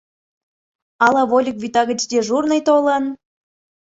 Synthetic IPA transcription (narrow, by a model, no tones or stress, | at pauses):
ɑlˠɑβolʲikβʲit̪ɑɣət͡ɕd̪ʲeʒurnəjt̪olən